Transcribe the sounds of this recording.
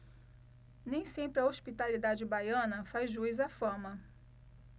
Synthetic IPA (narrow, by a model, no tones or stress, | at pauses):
nẽj̃sẽmpɾɪɐospit̪alid̪ad͡ʒɪbajɐ̃nɐfazʒuizafɐ̃mɐ